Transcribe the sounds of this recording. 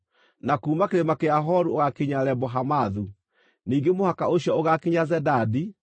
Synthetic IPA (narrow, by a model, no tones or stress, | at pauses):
nakuːmakeɾemakeaɦɔɾuoɣakiɲaɾɛbɔɦamaðu | niːŋɡemohakaoɕiɔoɣakiɲazɛdaːdi